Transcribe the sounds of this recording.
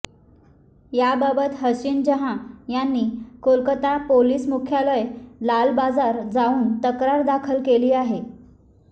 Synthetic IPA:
jababət̪ɦəɕiːnd͡ʑəɦãjanːiːkolkət̪apoliːsmukʰjaləjlalbad͡zaɾd͡zauːnt̪əkɾaɾd̪akʰəlkeliːaɦe

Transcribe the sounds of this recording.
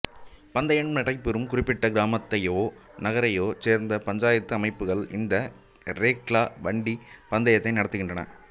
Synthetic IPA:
pɐnd̪ɐjɐɳmnɪɽɐɪpːɪɾɯmkʊrɪpːɪʈːɐɡɪɾaːmɐt̪ːɐjoːnɐɣɐɾɐjoːt͡ʃeːɾnd̪ɐpɐɲd͡ʒaːjɐt̪ːɯɐmɐɪpːɯɣɐɭɪ̰nd̪ɐ | ɾeːkɭaːʋɐɳɖipɐnd̪ɐjɐt̪ːɐɪnɐɽɐt̪ːɯɣɪɳdrɐnɐ̰

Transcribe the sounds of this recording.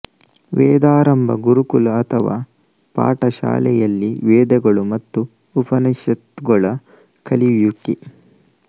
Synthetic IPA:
ʋɛːd̪aːɾɐmbʱɐ̰ɡuɾukulɐːt̪ʰɐʋa̰ː | pa̰ːʈɐʃa̰ːlɛjɐlːiʋeːd̪ɐɡɐɭumɐt̪ːuː | pɐnɐsɐt̪ɡɐɭɐ | kʰɐliʋjukːi

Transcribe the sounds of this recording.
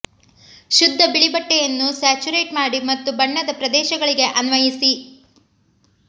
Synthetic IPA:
ʃud̪ʱːɐbiɭibɐʈːejɐnːusæːt͡ʃuɾeːʈmaːɽimɐt̪ːubɐɳːɐd̪ɐpɾɐd̪ɛːʃɐɡɐɭiɡe̞ʔɐnʋɐjisi

